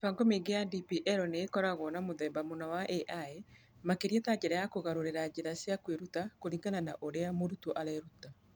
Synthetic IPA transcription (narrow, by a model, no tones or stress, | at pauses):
faŋɡomeŋɡeadipiʔɛɾɔneːkɔɾaɣɔːnamoðɛmbamonawaʔeʔae | makeɾiɛtaɲd͡ʒeɾajakoɣaɾoɾeɾad͡ʒeɾasjakweɾutakoɾiːŋɡanana̰ʔoɾeamoɾutoʔaɾɛɾuta